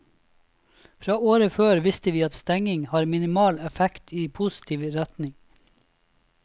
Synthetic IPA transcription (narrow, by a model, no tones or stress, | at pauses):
fɾɑːoːɾəføːɾʋɪst̪əʋiːɑt̪st̪ɛŋɪŋhɑːɾmɪnɪmɑːlɛfɛkt̪ʰiːpʰʊsɪ̥t̪ʰiːʋɾæt̪nɪŋ